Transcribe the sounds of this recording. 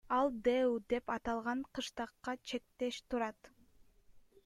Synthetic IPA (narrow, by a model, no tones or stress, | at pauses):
ɑlˠd̪ewd̪e̞pɑt̪ɑlˠʁɑɴqʰɯʃt̪ɑqːɑt͡ʃʰe̞k̚t̪eʃt̪uɾɑt̪